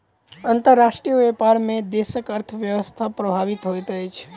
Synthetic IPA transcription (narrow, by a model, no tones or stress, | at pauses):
ənt̪əɾːaʃʈɾijoepaɾmẽd̪eʃəkəɾt̪ʰəʋjəʋəst̪ʰapɾəbʱaʋit̪ɦojt̪ʰəjt͡ʃʰ